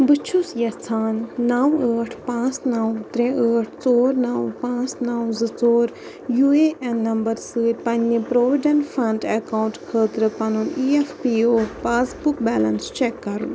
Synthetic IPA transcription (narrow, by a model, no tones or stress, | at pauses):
bɨt͡ʃʰusjɐt͡sʰaːnːɐwəːʈʰpãːt͡snɐwt̪ɾẽəːʈʰt͡soːɾnɐwpãːt͡snɐwzɨt͡soːɾ | jueʔɛnːɐmbɐɾsɨpɐ̃nːipɾoːʋiɖɐnʈfɐɳɖɛkaːwɳʈkʰəːt̪ɾɨpɐnuniefpiːoːpaːsbukbɛːlɐnst͡ʃekːɐɾṵn